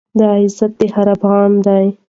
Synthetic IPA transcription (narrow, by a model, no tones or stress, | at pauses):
d̪əaɪzat̪̚d̪ehaɾafɣɑnd̪aj